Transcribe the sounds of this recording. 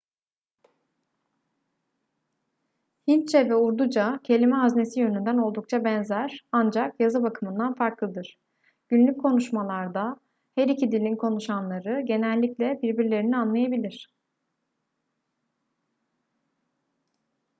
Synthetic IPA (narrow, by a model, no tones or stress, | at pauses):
hint͡ʃʰɛvɛuɾd̪ud͡ʒacʰe̞lʲimɛɦazne̞sijø̞nynd̪æno̞lˠd̪uk̚t͡ʃʰabɛnzæɾ̥and͡ʒakjazɯbakʰɯmɯnd̪anfaɾklˠɯd̪ɯɾ̥ | ɟ̥ynlʲyc̚kʰo̞nuʃmalˠaɾd̪a | hæɾicid̪ilʲinkʰo̞nuʃanlˠaɾɯɟe̞nɛlʲːiclʲɛbiɾbiɾlʲe̞ɾinianlˠajabilʲiɾ̝̥